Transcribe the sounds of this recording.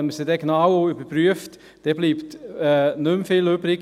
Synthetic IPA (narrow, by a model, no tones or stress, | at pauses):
ɛməsidɛɡnawoybəpɾyəft | d̥ɛb̥liːptɛnømfɪløbɾɪɡ